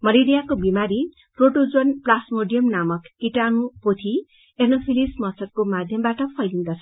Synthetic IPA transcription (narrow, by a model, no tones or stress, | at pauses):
mʌleɾijakobimaɾi | proʈod͡zonplasmoɖijʌmnamʌkːiʈanupot̪ʰi | ernopʰilismʌsʌt̪̚komad̪ʱjʌmbaʈʌpʰʌjliŋɡ̪ʌt͡sʰn